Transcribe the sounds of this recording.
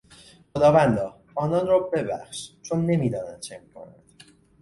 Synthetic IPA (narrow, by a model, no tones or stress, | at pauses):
χod̪ɒːvænd̪ɒː | ɒːnɒnrɒːbe̞bæ̰χʃt͡ʃʰonːe̞miːd̪ɒːnænd̪t͡ʃʰemiːkʰo̞̰næ̰nd̪̥